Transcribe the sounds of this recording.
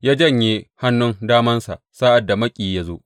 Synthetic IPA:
jaː˦d͡ʒɐ˦˨ɲjeː˦ha˦nːʊ˦ŋdaː˦mɐ˦nsa̰˨ʔsaː˦ʔa˨dːa˨mɐ˦kʲʼiː˨ja˦zo˦ʔ

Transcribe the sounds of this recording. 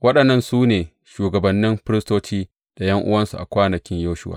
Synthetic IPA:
wɐ˦ɗɐ˨nːɐ˦nsuː˦neː˨ | ʃuː˨ɡɐ˨bɐ˨nːɪ˦mɸɪ˦ɾɪ˦stoː˦t͡ʃiː˦ | d̥a˨jɐ˦ŋʔʊ̰˦wɐ˦nsu˨ʔa̰˨kʷaː˦nɐ˨kʲɪ˦ɲjoː˦ʃʊ˦wa̰ː˨

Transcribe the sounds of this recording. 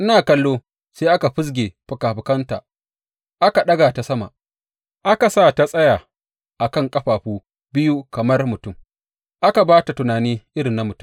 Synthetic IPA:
ʔɪ˦naː˨kɐ˦lːoː˦ | seː˦ʔa˦ka˨ɸɪ˦s̬ɡʲeː˨ɸʊ˨kaː˨ɸɪ˨kɐ˦ntaː˨ | ʔa˦ka˨ɗɐ˦ɡa˨ta˦sɐ˦ma̰˨ | ʔa˦ka˨saː˦˨ta˦sʼɐ˦jaː˨ | ʔa˨kɐ˦˨ŋkʼɐ˦ɸaː˨ɸuː˦ | bɪ˦ju˦kɐ˨mɐ˦rmʊ˨tʊ˦˨m | ʔa˦ka˨baː˦ta˨tʊ˨naː˨niː˦ʔɪ˦ɾɪ˨nːa˦mʊ˨tʊ˦˨

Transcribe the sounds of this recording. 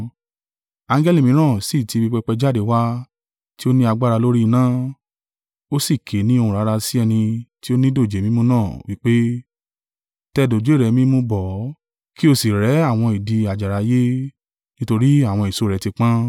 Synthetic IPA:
ã˨˧˦ŋ˦ɡɛ˦li˦˨mĩ˨˦ɾ̃ãː˦˨si˦˨ti˧bi˧k͡pɛ˧k͡pɛ˧d͡ʒa˦de˨˦wa˦ | ti˦o˦nĩ˦a˧ɡ͡ba˦ɾa˧lo˦ɾi˦˧nãː˦ | o˦si˦˨kʰe˨˦nĩ˦o˧ũ˨ɾa˨˦ɾa˧si˦ɛ˧nĩ˧ti˦o˦nĩ˦do˦˨d͡ʒe˨mĩ˦mũ˦nãː˦˨wi˦k͡pe˦ | tɛ˧do˨d͡ʒɾɛ˨˧˦mĩ˦mũ˧˦bɔ˨˦ | ki˦o˧si˨ɾɛ˨˦a˦˨w̃ɔ̃˧i˨di˨˧a˨d͡ʒa˨ɾa˨˦je˦ | nĩ˦to˧ɾi˦a˦˨w̃ɔ̃˧i˨so˨˦ɾɛ˨˦ti˧k͡pã˦

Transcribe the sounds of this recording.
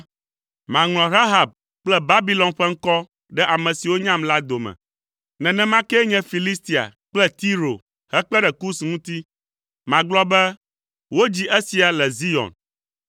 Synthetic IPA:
mã˨ŋl̃ɔ̃˨ɾa˦ɦa˨b̚ | k͡plɛ˦ba˦bi˨˦lɔ̃˨nɸɛ˦ŋ̩˦kɔ˦ | ɖɛ˦ʔa˨mɛ̃˨si˨wo˦ɲã˦mla˦d̪o˨mɛ̰̃˨ | nɛ̃˨nɛ̃˦mã˦kɛ˦ɲɛ̃˦fi˨li˦st̪i˨a̰˨k͡plɛ˦t̪i˦ɾo̰˨ | hɛ˦k͡plɛ˦ɖɛ˨ku˦sŋũ˦t̪i˦ | mã˨ɡ͡blɔ˦bɛ˦ | wo˦d͡ʑi˦ʔɛ˦si˨a˨lɛ˨zi˦ɔ̰˨n

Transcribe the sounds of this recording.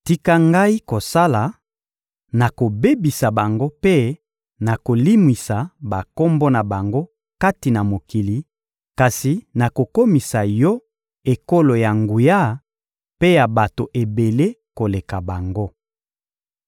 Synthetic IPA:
ti˦ka˦ŋɡa˦i˦ko˨sa˦la˨ | na˨ko˨be˦bi˨sa˨ba˨ŋɡo˦pe˦ | na˨ko˨li˦mwi˨sa˨ba˨ko˦mbɔ˦na˨ba˨ŋɡo˦ | ka˦ti˨na˨mo˨ki˨li˨ | ka˨si˨na˨ko˨ko˦mi˨sa˨jɔ˦ | e˨ko˦lo˨ja˨ŋɡu˨ja˦ | pe˦ja˨ba˨to˨ʔe˨be˨le˦ko˨le˨ka˨ba˨ŋɡo˦

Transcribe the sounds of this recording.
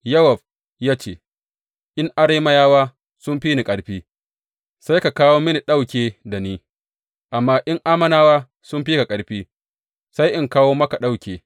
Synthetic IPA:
jɐ˦wɔ˨ɸ | jaː˦t͡ʃḛː˨ | ʔɪ˦ŋʔa˦ɾeː˦mɐ˦jaː˦waː˦ | sʊ˦mɸiː˦ni˨kʼɐ˨ɽɸiː˦ | sa˦jka˨kaː˦woː˦mɪ˦ni˨ɗa˦wkʲeː˨da˨niː˦ | ʔa˨mːaː˦ʔɪ˦ŋʔaː˦mɐ˦naː˦waː˦ | sʊ˦mɸiː˦ka˨kʼɐ˨ɽɸiː˦ | sa˦jʔɪ˨ŋkaː˦woː˦mɐ˦ka˨ɗa˦˨wkʲeː˨

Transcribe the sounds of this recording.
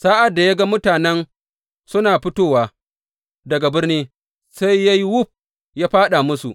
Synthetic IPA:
sa˦ʔa˨dːa˨ja˦ɡa˦mʊ˦taː˨nɛ˦n | sʊ˦naː˨ɸʊ˦toː˦waː˨ | dɐ˨ɡa˨bɪ˦rniː˦ | sa˦jːa˦jwʊ˦ɸ̚ | jaː˦ɸaː˦ɗa˨mʊ˦sṵ˨ʔ

